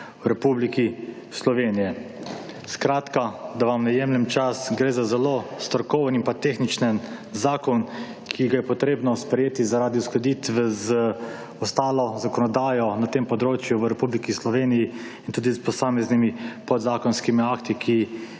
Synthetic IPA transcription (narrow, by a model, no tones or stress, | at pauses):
wɾɛpubliki | slɔʋeːnijɛ | skɾaːt̪kad̪aʋamnɛjemlɛmt͡ʃasɡɾeːzazɛlost̪ɔɾkɔːwənimpat̪eːxnit͡ʃnənzaːkɔn | kʰiɡajɛpɔt̪ɾeːbnɔspɾɛjeːt̪izaɾaːd̪iuskɔd̪iːt̪ʋɛzə | ɔst̪aːlɔzakɔnɔd̪aːjɔnat̪eːmpɔd̪ɾoːt͡ʃjuʋəɾɛpublikislɔʋeːniji | int̪uːd̪ispɔsaːmɛznimipɔd̪zaːkɔnskimiaːkt̪ikʰi